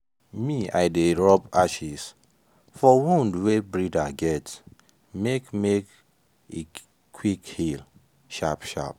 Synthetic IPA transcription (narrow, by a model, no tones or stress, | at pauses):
mia̰ɪdeɹɔpaʃis | fɔwõndwebɹidaɡɛt | mekmek | e | kʰwikhil | ʃapʃa̰p̚